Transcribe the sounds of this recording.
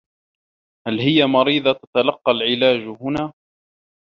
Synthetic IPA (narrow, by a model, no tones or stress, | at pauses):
halhɪjamɑɾiːd̪ˤɑt̪ḁt̪alɑqːɑlʕɪlaːd͡ʒhʊnaː